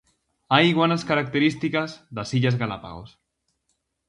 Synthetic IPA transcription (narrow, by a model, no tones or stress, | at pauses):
ajɣanaskaɾak̚t̪eɾist̪ikazðasiʎazɣala̰pa̰ɣ̞o̰s